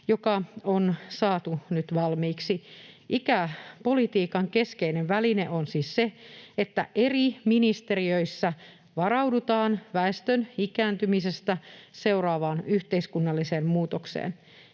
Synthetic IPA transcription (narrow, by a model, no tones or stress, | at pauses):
jokɑonsɑːt̪unyt̪ʋɑlmiːksiʔikæpo̞lit̪iːkɑŋkeskeineʋʋælineʔonsiːsseet̪ːæʔeriminist̪e̞riøisːæ | ʋɑɾɑwdut̪ɑːnʋæest̪ønikæːnt̪ymisest̪æse̞urɑːʋɑːnyht̪eiskunːɑlːiseːmmuːt̪oksḛːn